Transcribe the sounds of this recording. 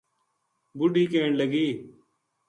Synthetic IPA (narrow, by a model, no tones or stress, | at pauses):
bʊɖiːkeːɳləɡiː